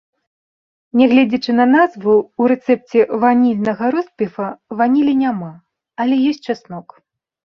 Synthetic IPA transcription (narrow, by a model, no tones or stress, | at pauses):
nʲɛɣlʲɛd͡zʲɐt͡ʂɨnɐnazvuuɾɛt̪sɛp̚t͡sʲɛvanʲilʲnɐɣɐɾɔspʲɛfɐvanʲilʲinʲama | ɐlʲɛjɔsʲtʲt͡ʂasnɔk